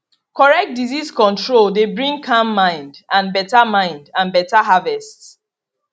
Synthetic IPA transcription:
kɔɹɛk̚t̚diziskɔ̃ntɹoldebɹĩŋkʰãmːãɪ̃ndãnbɛtamãɪ̃ndãnbɛtaɦavɛsts

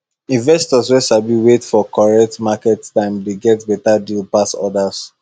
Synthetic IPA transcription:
ĩnvɛstɔswɛsabiwetfɔkɔɹɛk̚tmakɛttãɪ̃mdeɡɛtbɛtadilpasɔ̰das

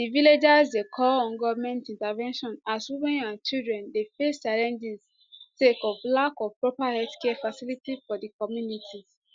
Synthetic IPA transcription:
diviled͡ʒazdekʰɔlɔ̃nɡɔvmɛ̃ntĩntavɛ̃nʃɔ̃naswimɛ̃nãnt͡ʃidɹɛ̃ndefest͡ʃaɹɛ̃nd͡ʒĩs | tekɔvlakɔvpɹɔpahɛdkɛfasilitifɔdikɔmjunitʰiz

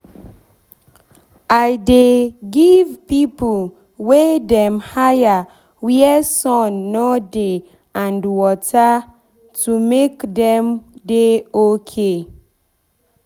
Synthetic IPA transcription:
ajdeɡivpipol | wedɛ̃mhaja | wiɛsɔ̃nːɔde | ãndwɔta | tumekdɛ̃mdeokʰe

